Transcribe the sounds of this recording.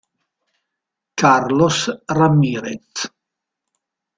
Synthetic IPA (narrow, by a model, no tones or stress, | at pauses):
kaɾlosramiːɾet̪